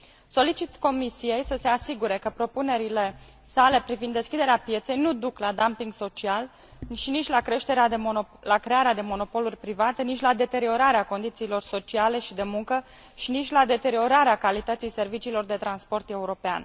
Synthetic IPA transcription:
so̞lit͡ʃit̪ko̞misije̞jsəse̞asiɡuɾe̞kəpɾo̞pune̞ɾile̞ | sale̞pɾivind̪ːeskʲid̪e̞ɾeapje̞t̪se̞jnud̪uklad̪ampiŋɡso̞t͡ʃial | ʃinit͡ʃʲlakɾe̞ʃt̪e̞ɾead̪elakɾe̞aɾead̪e̞mo̞no̞po̞lurʲpɾivat̪enit͡ʃʲlad̪e̞t̪e̞ɾio̞ɾaɾeako̞nd̪it̪siːlo̞rso̞t͡ʃiale̞ʃid̪e̞muŋkə | ʃinit͡ʃʲlad̪e̞t̪e̞ɾio̞ɾaɾeakalit̪ət̪sijse̞rvit͡ʃiːlo̞rd̪e̞t̪ɾanspo̞rt̪e̞uɾo̞pea̰n

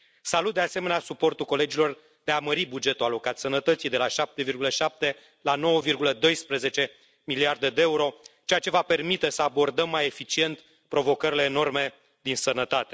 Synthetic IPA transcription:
salut̪̚d̪ease̞me̞neasupo̞rt̪uko̞le̞d͡ʒilo̞r | d̪e̞aməɾibud͡ʒe̞t̪ualo̞kat̪sənət̪ət̪sijd̪e̞laʃap̚t̪e̞virɡuləʃap̚t̪e̞ | lano̞wəvirɡuləd̪o̞jspɾeze̞t͡ʃe̞ | miliard̪e̞d̪eeuɾo̞t͡ʃe̞jat͡ʃe̞vape̞rmit̪e̞səabo̞rd̪əmːaje̞fit͡ʃie̞nt̪ | pɾo̞vo̞kəɾile̞ːno̞rme̞ | d̪insənət̪at̪e̞̥

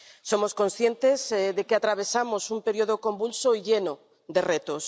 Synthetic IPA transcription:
somoskõnsθjent̪ezðekeat̪ɾaβesamosumpeɾioðokõmbulsoiʎeno | d̪eret̪os

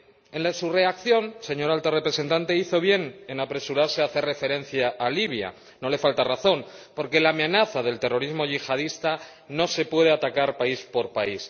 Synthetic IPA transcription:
e̞nlasure̞akθjo̞nse̞ɲo̞ɾalt̪arepɾe̞se̞nt̪ant̪e̞iθo̞β̞je̞ne̞napɾe̞suɾaɾseaθe̞re̞fe̞ɾẽ̞n̟θjaʔːliβja̰ | no̞le̞falt̪araθo̞npo̞ɾke̞lamenaθaðe̞lt̪e̞ro̞ɾizmo̞ʝixað̞ist̪a | no̞se̞pwe̞ð̞eat̪akaɾpaispo̞ɾpais

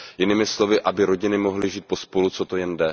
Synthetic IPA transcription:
jɪnɪmɪslo̞vɪʔabɪɾo̞ɟɪnɪmo̞ɦlɪʒiːt̪̚po̞spo̞lut͡so̞t̪o̞jɛndɛ

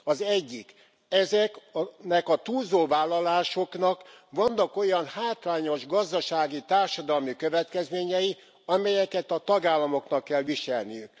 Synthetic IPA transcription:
ɒzɛɟːik | ɛzɛknɛkɒt̪uːzoːvaːlːɒlaːʃo̞knɒkʋɒnːɒko̞jɒnhaːt̪ɾaːɲo̞ʒɡɒzd̪ɒʃaːɡit̪aːrʃɒd̪ɒlmikøvɛt̪kɛzmeːɲɛji | ɒmɛjɛkɛt̪ɒt̪ɒɡaːlːɒmoknɒkːɛlʋiʃɛlnijyk̚

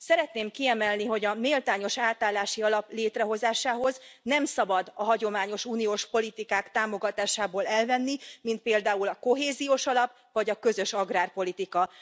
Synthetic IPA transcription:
sɛɾɛt̪neːmkiɛmɛlniɦo̞ɟɒmeːlt̪aːɲo̞ʃaːt̪aːlːaːʃiɒlɒpleːt̪rɛɦo̞zaːʃaːɦo̞znɛmsɒbɒd̪ɒɦɒɟo̞maːɲo̞ʃuːnijoːʃpo̞lit̪ikaːkt̪aːmo̞ɡɒt̪aːʃaːboːlɛlvɛnːimint̪̚peːld̪aːulɒko̞ɦeːzioːʃɒlɒp | vɒɟɒkø̞zø̞ʃɒɡraːrpo̞lit̪ikɒ

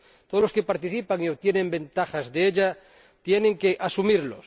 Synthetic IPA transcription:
t̪oðloske̞paɾt̪iθipaŋio̞βt̪je̞nẽ̞mbẽ̞nt̪axazðeeʎa | t̪je̞nẽ̞ŋke̞ʔasumiɾlos

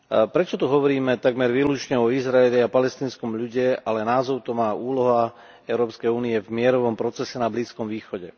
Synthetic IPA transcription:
pɾɛt͡ʃɔt̪uɦɔʋɔɾiːmɛt̪aɡmɛɾʋiːlut͡ʃɲɛɔizɾaɛʎɛapalɛst̪iːnskɔmʎuɟɛalɛnaːzɔʊt̪ɔmaːuːlɔɦa | ɛʊɾɔːpskɛjuːniɛvmɪɛɾɔʋɔmpɾɔt͡sɛsɛnabliːskɔmʋiːxɔɟɛ

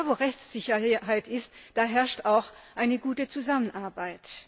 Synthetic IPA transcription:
voːʁɛçt͡sz̥ɪçɐɦaɪtɪstd̥aːɦɛɐʃtaʊxʔaɪnəɡuːtət͡suzamənʔaɐbaɪt

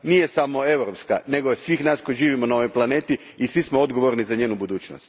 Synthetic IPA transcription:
nijesamo̞e̞wɾopska̰ne̞ɡosʋiːxnaːsko̞jiʒiːʋimonaoʋojplˠane̞ːt̪i | isʋismoo̞d̪ɡo̞ʋo̞ɾnizaɲe̞ːnubud̪uːt͡ʃno̰st̪

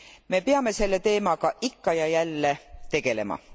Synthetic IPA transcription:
me̞peɑme̞se̞lːe̞t̪e̞ːmɑɡ̥ɑʔikːɑjɑjælːe̞t̪e̞ɡ̥e̞le̞mɑ̰

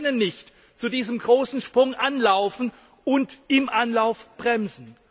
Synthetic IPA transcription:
nənːɪçt | t͡sudiːzəmɡʁoːsn̩ʃpʁ̥ʊŋʔanlaʊfn̩ | ʔʊntʔɪmʔanlaʊfb̥ʁɛmzn̩

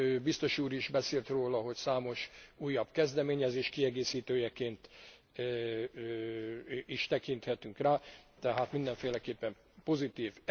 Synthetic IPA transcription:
bist̪o̞ʃuːɾiʒbɛseːlt̪roːlɒɦo̞csaːmo̞ʃuːjːɒbkɛzd̪ɛmeːɲɛzeːʃkiɛɡeːsiːt̪øːjɛkeːnt̪ | iʃt̪ɛkint̪hɛt̪yŋkraːt̪ɛɦaːt̪mind̪ɛɱfeːlɛkeːpːɛm | po̞zit̪iːv

